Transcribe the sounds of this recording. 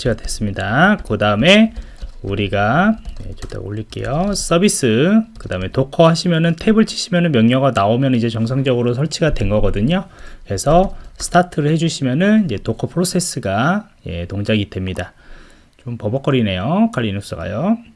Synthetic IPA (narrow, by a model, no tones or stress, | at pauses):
t͡ɕʰiɡadwe̞s͈ɯmɲidakɯdaɯme̞ | uɾiɡaje̞̰t͡ɕetʰḛo̰ʎːiɭk͈e̞̰jos͈ʌbis͈ɯkɯdaɯme̞tokʰʌɦaɕʰimjʌnɯntʰe̞bɯɭt͡ɕʰi̥ɕʰimjʌnɯnmjʌŋɲʌɡanaomjʌnnid͡ʑe̞t͡ɕʌŋs̬ʰaŋd͡ʑʌɡɯɾosʰʌɭt͡ɕʰiɡadwe̞nɡʌɡʌdɯɲokɾe̞sʰʌsʰɯ̥tʰatʰɯɾɯɭhe̞d͡ʑuɕʰimjʌnɯnid͡ʑe̞tokʰʌpʰɯɾos͈ʰe̞s͈ɯɡa | je̞̰toŋd͡ʑaɡid̥we̞mɲida | t͡ɕompʌbʌk͈ʌɾine̞jokʰaʎːinus͈ɯɡa̰jo